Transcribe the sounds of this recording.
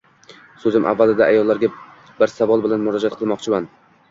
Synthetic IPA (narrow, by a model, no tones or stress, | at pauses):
sɵzɪmʔa̰vːalɪd̪aʔajɒlˠːaɾɡʲa | bɪɾsavɒlˠbɪlanmʊɾɒd͡ʒat̪̚qʰɨlˠmɒqt͡ʃʰɪman